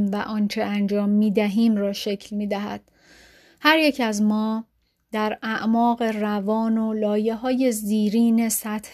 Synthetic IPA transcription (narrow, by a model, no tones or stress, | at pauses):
mvæʔɒːnt͡ʃʰeænd͡ʒɒːmːiːd̪æɦiːmrɒːʃe̞cʰlmiːd̪æɦæ̰d̪̥ | hæɾje̞cʰæzmɒː | d̪̥æɾæʔmɒːɣe̞rævɒːno̞lɒːje̞ɦɒːje̞ziːɾiːne̞sæt̪h